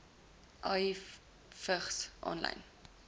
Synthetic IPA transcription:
ʔɑi | fəχsʔɔ̰nlɐ̰jn

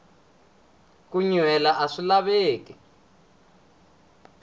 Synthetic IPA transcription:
kuɲwɛlaʔaʂilaβeːki

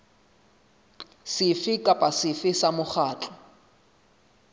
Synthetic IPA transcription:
sɪfɪkʼapʼasɪfɪsamʊχaːt͡ɬʼɔ̥

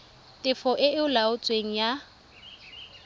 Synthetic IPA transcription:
tʼɪfɔʔɪɪʊlaʊt͡sʼweŋ̩ja

